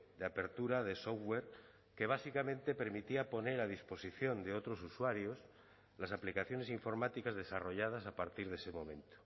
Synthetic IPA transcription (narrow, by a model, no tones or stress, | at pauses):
d̪eape̞ɾt̪uɾaðe̞sowe̞ɾ | ke̞β̞asikamẽ̞nt̪e̞pe̞ɾmit̪iapo̞ne̞ɾað̞ispo̞siθjo̞nd̪e̞o̞t̪ɾo̞suswaɾjo̞s | lasaplikaθjo̞ne̞siɱfo̞ɾmat̪ikazðe̞saro̞ʝað̞as̬apaɾt̪iɾðe̞se̞mõ̞̰mẽ̞nt̪o̥